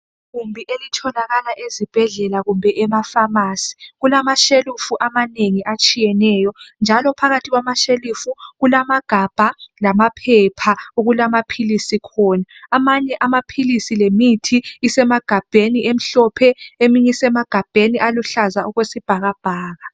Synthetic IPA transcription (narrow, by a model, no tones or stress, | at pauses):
ɣumbʱiʔelitʰɔlaɣalaʔezib̥ʱɛɮɛlaɣumbʱɛʔɛmafamasi̥ɣulamaʃelufuʔamaneŋiʔat͡ʃʼijɛnɛːjɔnd͡ʒʱalɔpʰaɣatʰiɣwamaʃelufuɣulamaɡ̥ʱab̥ʱalamapʰɛpʰauɣulamapʰilisikʰɔnaːmaɲɛʔamapʰilisilemitʰiːsɛmaɡ̥ʱab̥ʱeniʔem̩ɬɔpʰɛemiɲɛsɛmaɡ̥ʱab̥ʱeniʔaluɬazauɣwesib̥ʱaɣab̥ʱaːɣa